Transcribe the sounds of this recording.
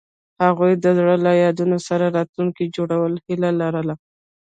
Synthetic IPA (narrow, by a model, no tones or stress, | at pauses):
haɣujd̪əzɽəlajɑd̪unosaɾaɾɑt̪luŋkid͡ʒoɽawəlhilalaɾəla